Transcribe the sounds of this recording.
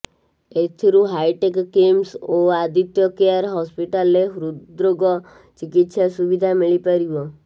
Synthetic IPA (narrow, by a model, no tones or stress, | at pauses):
et̪ʰiɾũɦajʈekːemsoad̪it̪jɔkejaɾɦɔspiʈalːeɦuɾud̪ɾoɡɔ | t͡ʃikit̪ʃasuʋid̪ʱamiɭipəɾiʋɔ